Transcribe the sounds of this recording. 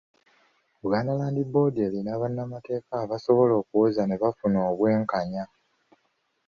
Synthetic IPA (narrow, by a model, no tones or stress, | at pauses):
βɡaːnalaːndibo̞ːdelinaːβanːamate̞ːkaːβaso̞βo̞lo̞ːkuwozane̞βafunoːβwe̞ːŋkaɲa